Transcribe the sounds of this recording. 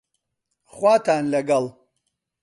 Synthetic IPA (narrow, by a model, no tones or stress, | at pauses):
χʷatʰaːnlaɡal